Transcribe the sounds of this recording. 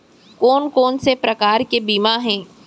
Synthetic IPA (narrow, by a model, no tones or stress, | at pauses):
kɔːnkɔːnsepɾɐkaːɾkebiːmaɦɛ̃ː